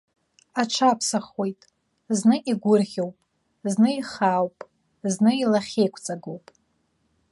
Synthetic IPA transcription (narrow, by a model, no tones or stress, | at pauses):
aʈ͡ʂʷʰapʰsaχojtʼ | znɨʔiɡʷʊrʁʲowpʼ | znɨiχawpʼ | znɨilaχʲejkʷʰʼt͡sʼaɡowpʼ